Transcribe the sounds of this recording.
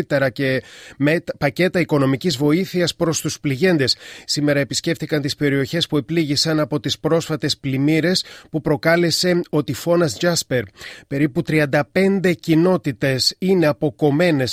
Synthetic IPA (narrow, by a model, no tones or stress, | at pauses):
t̪eɾɐcemepɐce̞t̪ɐiko̞no̞micizvo̞iθiɐspɾo̞st̪uspliʝe̞nd̪e̞sːime̞ɾɐe̞pisce̞ft̪ikɐnt̪ispe̞ɾio̞çe̞spue̞pliʝisɐnɐpo̞t̪ispɾo̞sfɐt̪e̞splimiɾe̞spupɾo̞kɐle̞se̞o̞t̪ifo̞nɐsʝɐspe̞ɾpe̞ɾiput̪ɾiɐnd̪ɐpe̞nd̪e̞cino̞t̪it̪e̞sine̞ɐpo̞ko̞me̞ne̞s